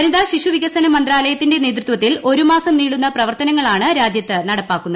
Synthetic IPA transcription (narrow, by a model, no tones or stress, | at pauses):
ɐnid̪aːɕiʂuʋiɡɐsɐnɐmɐnd̪raːlɐjɐt̪ːinde̞ne̞ːt̪rɾut̪ʋɐt̪ːilʔo̞ɾumaːsɐmniːɽunːɐprɐʋɐrt̪ɐnɐŋːɐɭaːɳɨɾaːd͡ʑjɐt̪ːɨnɐɽɐpːaːkːunːɐð